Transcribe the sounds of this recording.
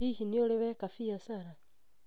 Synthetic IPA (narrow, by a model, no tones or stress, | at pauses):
ihinioleβekafijasaɾa